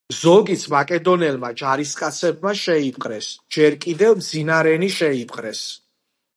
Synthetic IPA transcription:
zɔɡit̪sʰmakʼɛd̪ɔnɛlmad͡ʒaɾiskʼat̪sʰɛb̚maʃɛip̚ʼqʼɾɛsd͡ʒɛɾkʼid̪ɛvmd̪zinaɾɛniʃɛipʼqʼɾɛs

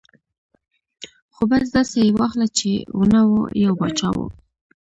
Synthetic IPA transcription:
xobas̬d̪asejewaxlat͡ʃḛunawo̰jawbat͡ʃa̰wṵ

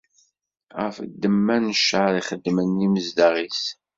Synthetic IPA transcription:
ʁəfəd̪ːəmːænəʃəɾiχəd̪ːmənːiməzd̪aʁis

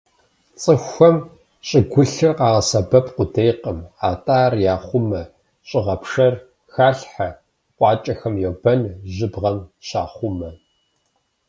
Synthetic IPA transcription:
t͡sʼɨxʷːɐm | ɕʼɪɡʷʊɬɨrqɑːʁɐsɐbɐpʰqʷʊdʰejqəmaːtʼaːrjaːχʷʊmɐ | ɕʼɪʁɐpʂɐr | xaːɬħa | qʷʼɑːt͡ʃʼɐxɐmjoːbɐnʑɨbʁɐmɕaːχʷʊmɐ

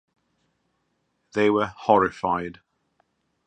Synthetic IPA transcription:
ðeɪwəhɔɹɪfaɪd̥

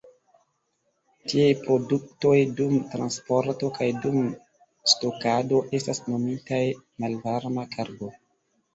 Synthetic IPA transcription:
tiejpɾo̞dukto̞jdumtɾanspoɾto̞kajdum | sto̞kado̞ʔe̞stasno̞mitajmalvaɾmakʰaɾɡo

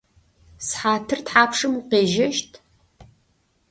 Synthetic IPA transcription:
sħaːtʰɨrtħaːpʰʂɨmuqeːʒɐʃtʰ

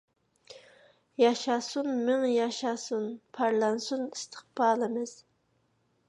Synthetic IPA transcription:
jɑʃɑsunmɪŋjɑʃɑsunpʰɑɾlˠɑnsunist̪ʰə̥χbɑːlˠɨmɨz̥

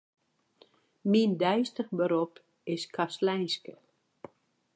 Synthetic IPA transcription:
mindɛjstəχbəɾop | ɪskʰaslɛjnskə

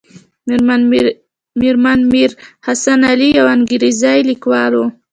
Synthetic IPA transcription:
m | miɾmanmiɾhasanalijawanɡiɾizajlikwɑlo

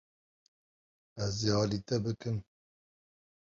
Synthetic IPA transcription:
ɛziɑːlit̪ɛbɨkɨm

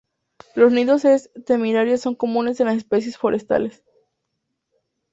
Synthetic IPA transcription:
lo̞zniðo̞sest̪emeɾaɾjosːo̞ŋko̞mũne̞senlasespe̞sje̞sfo̞ɾʔe̞st̪a̰le̞s

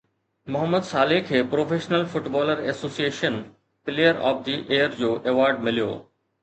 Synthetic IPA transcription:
mʊɦəmːəd̪saːlɪkʰeːpɾoːfʰeːʃnəlfʊʈbɔːləɾesoːsieːʃən | pɪleːjəɾɔ̰ːp̚d̪iʔeːəɾd͡ʑoːʔeʋaːɾɖmɪlijo̰ː

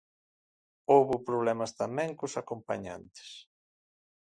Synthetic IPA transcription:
owβʊpɾoβlɛmɐst̪amɛ̃ŋkʊsakompa̰ɲa̰nt̪e̥s

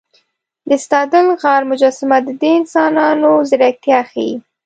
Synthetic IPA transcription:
d̪əst̪ɑd̪əlɣɑɾmʊd͡ʒɑsɪmad̪əd̪eɪnsɑnɑnozɪɾak̚t̪jɑxai

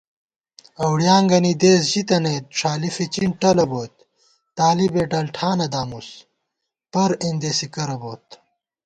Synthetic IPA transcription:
ɐwɽjaːŋɡɐnid̪eːsʑit̪ɐnejt̪̚ʂaːlifit͡ɕiɳʈɐlɐboːt̪̚ː | aːlibeːʈɐlʈʰaːnɐd̪aːmus | pɐɾend̪eːsikɐɾɐboːt̪

